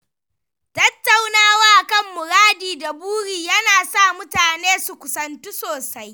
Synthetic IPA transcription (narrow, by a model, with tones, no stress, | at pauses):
tɐ˦tːa˨wnaː˦waː˦ʔkɐ˦mːʊ˨ɾaː˦diː˨da˨buː˦ɽiː˨jɐ˦naː˨sa˦˨mʊ˦taː˨neː˦su˨kʷʊ˨sɐ˨nt͡ʃu˦soː˨sa˦j